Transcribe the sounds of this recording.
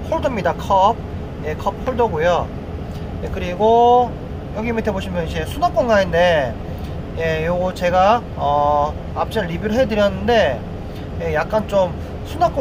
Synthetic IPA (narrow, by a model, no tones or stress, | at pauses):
pʰoɭdɯmɲidakʰʌb̚ | je̞kʰʌp̚pʰoɭdɯɡojo | jekɯɾiɡo | joɡiimiteboɕʰimjʌnid͡ʑe̞sʰunak͈onɡainde̞ | je̞joɡot͡ɕe̞ɡa | ʌ | ap̚t͡ɕ͈ʌɾibiɾɯɭɦe̞dɯɾjʌnːɯnde̞ | je̞jak̚k͈ant͡ɕom | sʰunak͈o